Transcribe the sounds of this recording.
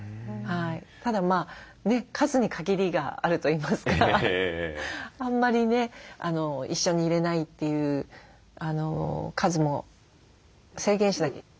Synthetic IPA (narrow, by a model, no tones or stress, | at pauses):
hait̪ad̪amaː | ne̞kʰazɨɲ̟ikʰaɡʲiɾʲiɡa̰a̰ɾɯ̟t̪o̞iːmasɨ̥ka | ãmːaɾʲine̞a̰no̞iɕːo̞ɲ̟iːɾe̞nait̪ːe̞jɯ̟ː | ano̞kʰazɨmo̞ | se̞ːɡẽ̞ɰ̃ɕid̪ake